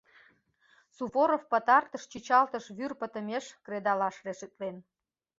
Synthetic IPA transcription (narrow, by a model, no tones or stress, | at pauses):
suβoɾofpət̪ɑrt̪əʃt͡ɕit͡ɕɑlt̪əʃβyrpət̪ə̆meʃkred̪ɑlɑʃreʃət̪̚len